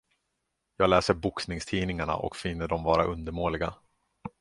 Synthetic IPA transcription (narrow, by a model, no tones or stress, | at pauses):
jɑːɡlɛːsəɾbʊksnɪŋst̪ʰiːnɪŋaɳa̰ʔɔ̰kfɪnːəɖɔmvɑːɾaʔɵnd̪əɾmoːlɪɡa